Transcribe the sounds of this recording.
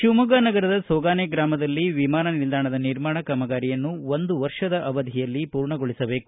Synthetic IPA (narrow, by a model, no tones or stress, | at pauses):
ʃumɐɡaːnɐɡɐɾɐd̪ɐsɔːɡaːneɡɾaːmɐd̪ɐlːiʋimaːnɐnild̪ʱaːɳɐd̪ɐniɾmaːɳɐkɐmɐɡaːɾijɐnːuond̪uʋɐɾʂɐd̪ɐʔɐʋɐd̪ʱijɐlːipuːɾɳɐɡoɭisɐbe̞ːku̥